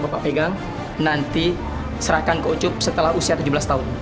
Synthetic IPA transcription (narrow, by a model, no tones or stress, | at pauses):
bapaʔpeɡaŋ | nant̪i | səɾahkankəut͡ʃʊp̚sət̪əlahusiat̪ud͡ʒubəlast̪aʊn